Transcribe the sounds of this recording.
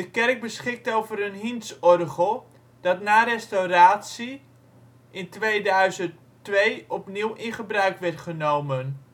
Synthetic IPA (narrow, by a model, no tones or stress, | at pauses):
dəkɛrk̚bəsχɪk̚towvəɾənɦinsɔrɣəlˠ | d̥ɔtnaːrɛstowraːtsi | ʔɪntʋeːdœɥzənt | ʋejɔpniwʔɪχəbrœɥkʋɛrtχənowmən